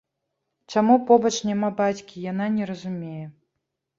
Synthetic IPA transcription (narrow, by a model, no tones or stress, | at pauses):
t͡ʂamupɔbɐt͡ʂnʲamabat͡sʲkʲijananʲɛɾɐzumʲejɛ